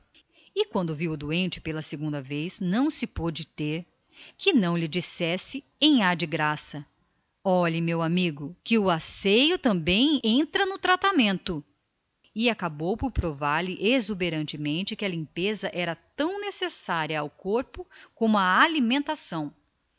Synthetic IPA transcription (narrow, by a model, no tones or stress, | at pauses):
ɪkwɐ̃nd̪ʊviwʊd̪uẽnt͡ʃɪ̥pelɐseɡũnd̪ɐvejznɐ̃w̃sɪpod͡ʒɪt̪eɾ | kɪnɐ̃w̃lɪd͡ʒisɛsɪ | ẽj̃aɾd͡ʒɪɡɾasɐ | ɔʎɐmewamiɡʊkɪʊasejʊt̪ɐ̃mbẽj̃ẽnt̪ɾɐnʊt̪ɾat̪amẽnt̪ʊ | ɪakabowpʊɾpɾovaɾlɪʔezubeɾɐ̃nt͡ʃɪmẽnt͡ʃɪkɪɐlĩmpezɐʔɛɾɐt̪ɐ̃w̃nesesaɾiɐawkoɾpʊkõmʊaalimẽnt̪asɐ̃w̃